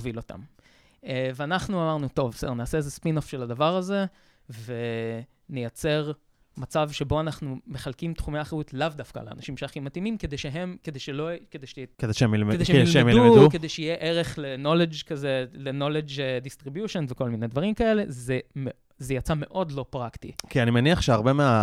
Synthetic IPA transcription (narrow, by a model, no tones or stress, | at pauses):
vilo̞ta̰m | veanaχnuamaʁnut̪o̞vsedeʁnaːse̞ezespinofʃelad̪avaʁaze̞ | ve | nejat͡se̞ʁ | mat͡savʃe̞bo̞anaχnume̞χalkimtχumeaːχeutlavdafka̰lḛːnaʃimʃeaχimatimimked̪ejʃeɦemkedejʃeloked̪ejʃked̪ejʃeemjilmed̪eʃeeemjdumeduked̪ejʃeijeʔeʁeχleno̞led͡ʒkazeleno̞led͡ʒedistʁibjuʃonveko̞lmine̞dvaʁimkae̞le̞zeme | zejat͡same̞ʔo̞dlo̞pʁaktḭkianimeniaχʃeaʁbemea